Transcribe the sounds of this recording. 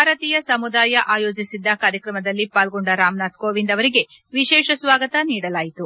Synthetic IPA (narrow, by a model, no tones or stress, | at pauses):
bʱaːɾɐt̪iːjɐsɐmud̪aːjɐʔaːjo̞ːd͡ʒisid̪ːɐkaːɾjɐkɾɐmɐd̪ɐlːipaːlɡoɳɖɐɾaːmnaːt̪koːʋind̪ɐʋɐɾiɡe̞ | ʋiʃɛːʃɐsʋaːɡɐt̪ɐniːɽɐlaːjit̪u